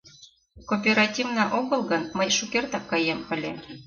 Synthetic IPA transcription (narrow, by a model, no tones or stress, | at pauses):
kopʲeɾɑtʲivnɑʔoɣɤlˠɣɤnməjʃukert̪ɑkːɑjempə̆lʲe